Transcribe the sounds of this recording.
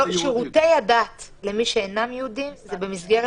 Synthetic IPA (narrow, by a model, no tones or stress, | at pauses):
ʃeʁute̞jadat̪lemiʃeenamjɛudimzebe̞mizɡe̞ʁe